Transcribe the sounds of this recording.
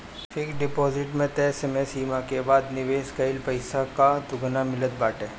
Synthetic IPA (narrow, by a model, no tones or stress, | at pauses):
fɪkɖɪpɔːzɪʈmẽt̪esemesiːmãkebaːd̪nɪʋeːʃkəɪlpɐɪsakad̪ʊɡnamɪlət̪̚baːʈeː